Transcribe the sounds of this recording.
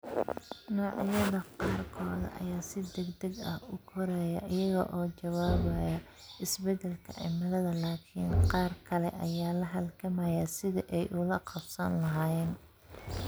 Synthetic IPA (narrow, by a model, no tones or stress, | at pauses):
nɔːʕɪjɐðɐqɑːrkʰɔːðɐ̰ʔɐ̰jaːsɪd̪ɛɡd̪ɐɡɐhʊkʰɔɾaːjɐ̰ʔɪjɐɣɐ̰ʔɔːt͡ʃɐwaːβɐjɐ | ɪsbɛd̪ɛlkʰɐɪ̰mɐðɐðɐlaːkʰiːnqɑːrkʰɐlɛ̰ʔɐjaːlɐɦɐlkʰɐmɐjɐsɪðɐʔɛjʔʊlɐqɑbsɐnlɐɦaːjɛːn